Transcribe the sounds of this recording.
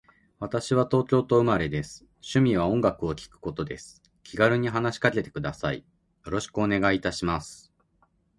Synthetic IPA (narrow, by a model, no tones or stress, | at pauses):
βat̪aɕiβat̪o̞ːt͡ɕʲo̞ːt̪o̞ɯ̟maɾe̞d̪e̞sɨ̥ | ɕɨmʲiβ̞aõ̞ŋɡakɯ̟o̞kʲi̥kɯ̟̥ko̞t̪o̞d̪e̞̰sɨ̥ | kʲiɡaɾɯ̟ɲ̟iɦanaɕi̥kake̞t̪e̞kɯ̟d̪asaḭ | jo̞ɾo̞ɕi̥kɯo̞ne̞ɡait̪aɕimasɨ̥